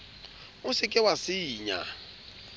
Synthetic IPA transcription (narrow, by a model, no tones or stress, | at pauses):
ʊsɪkʼɪwasiːɲa̰